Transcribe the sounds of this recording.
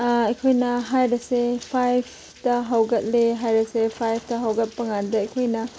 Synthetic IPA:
ɐkʰojnɐɦajɾɐsepʰajpʰ | tɐɦɐwɡɐt̚leɦajɾɐsepʰajpʰtɐɦɐwɡɐt̚pɐŋandɐɐjkʰojnɐ

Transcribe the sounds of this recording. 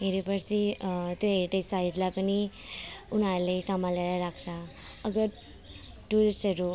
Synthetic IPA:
ɦeɾepʌɾsʰit̪joɦeɾiʈejsajd͡zlajpʌni | unaɾulejsamaleɾaɾakʰsʰʌ | ʌɡʌ | ʈulisʈɦʌɾu

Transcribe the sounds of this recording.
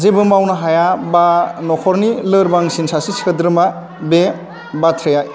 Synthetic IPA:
zebɯmawnaɦajabanɔkʰɔɾnilɯɾbaŋsinsasisi̥kʰadɾɯma | be | batʰɾejaj

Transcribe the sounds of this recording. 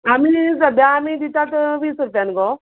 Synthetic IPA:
amizɐb̪aːmid̪it̪at̪əʋiːsɾupjanɡo

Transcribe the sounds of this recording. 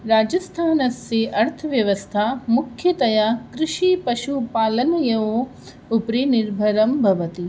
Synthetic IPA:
ɾaːd͡ʒɐst̪ʰaːnɐseʔɐɾt̪ʰɐʋjɐʋɐst̪ʰamukʰjɐt̪ɐjaːkɾɪʃipɐʃupaːlɐnɐjɐʋo | upɾiniɾbʱɐɾɐmbʱɐʋɐt̪i

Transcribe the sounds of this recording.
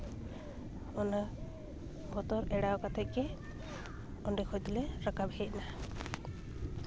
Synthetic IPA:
ɔna | bʱɔt̪ɔɾɛɽaɔkat̪ʰɛkɛ | ɔnɖikʰɔjt̪ileɾakabʱeeʔ̚na

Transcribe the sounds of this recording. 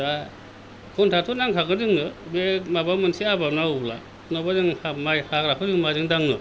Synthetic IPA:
da | kʰuntʰatʰɔnaŋtʰakɯzɯŋnɯbemabamɯnsiabapnaubla̰ | nɔbazɯŋhamajhakɾakʰɯzɯŋmazɯŋdaŋnɯ

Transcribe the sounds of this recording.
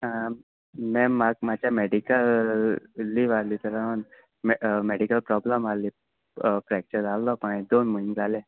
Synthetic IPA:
ã | mɛ̃makmat͡ɕameɖikəl | liʋalit̪əɾan | mmeɖikəlpɾɔbləmali | pɾɛk̚t͡ʃəɾallopãĩd̪oːnməɦind͡zalẽː

